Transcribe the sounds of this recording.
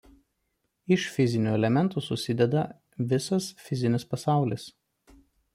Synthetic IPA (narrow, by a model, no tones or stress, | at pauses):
ɪʃfʲɪzʲɪnʲuːɛlʲɛmʲɛnt̪uːsʊsʲɪd̪ʲɛd̪ɐ | ʋʲɪsɐsfʲɪzʲɪnʲɪspɐsɑˑʊlʲɪs